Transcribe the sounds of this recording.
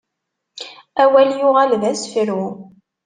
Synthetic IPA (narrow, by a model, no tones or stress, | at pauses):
æwæljʊʁalðæsfɾu